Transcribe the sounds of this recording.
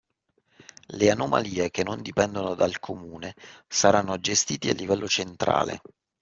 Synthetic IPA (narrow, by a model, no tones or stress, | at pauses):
leanoma̰liːek̟enːond̪ipɛnd̪onod̪alkʰomuːnesaɾanːod͡ʒest̪iːt̪ia̰lːivɛlːʔot͡ʃent̪ɾa̰ːlḛ